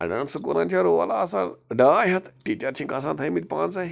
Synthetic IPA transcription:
a̰naɳsukuɾãɲt͡ɕjaɾoʋa̰laːsaɖajɦet̪ʈit͡ɕaɾt͡ɕʰĩŋkasãt̪ʰəjmit̪̚ʲpãnt͡sai

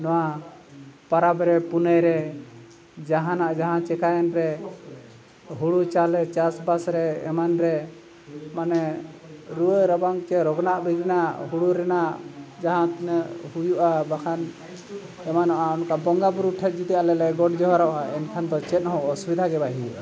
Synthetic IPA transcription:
nɔwa | paɾabɾɛpunajɾɛ | d͡ʒaɦãnaʔd͡ʒaɦãt͡ʃɛkajɛnɾɛ | ɦuɽut͡ʃalɛt͡ʃasbasɾɛɛ̰manɾɛ | manɛ | ɾuəɾabaŋt͡ʃɛɾɔɡnaʔbiɡɾinaʔɦuɽuɾɛnaʔd͡ʒaɦãnhujuʔabakʰan | ɛmanɔʔaɔnkabɔŋɡabuɾuʈʰɛt̪̚ˀd͡ʒit̪ijalɛlɛɡɔʈd͡ʒɔɦaɾɔʔaɛnkʰand̪ɔt͡ʃɛt̪̚ˀɦɔ̃ʔɔsubid̪ʱaɡɛbaɦi

